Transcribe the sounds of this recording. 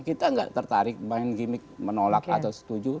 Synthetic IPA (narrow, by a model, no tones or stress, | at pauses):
kit̪aŋɡa̰ʔt̪ərt̪aɾɪk̚baɛnɡimɪk̚mənolak̚at̪awsə̥t̪ud͡ʒu